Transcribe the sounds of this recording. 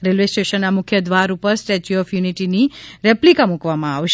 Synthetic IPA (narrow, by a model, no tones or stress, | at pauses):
ɾilʋesʈeʃənːamʊkʰjəd̪ʋaɾupəɾsʈet͡ʃuɔfjuniʈiniɾɛplikamukʋamãaʋʃ